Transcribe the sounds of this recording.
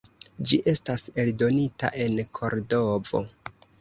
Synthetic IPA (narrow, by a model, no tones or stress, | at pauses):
d͡ʒiʔe̞stase̞ldo̞nita̰ʔe̞nkʰo̞ɾdo̞vo̞̰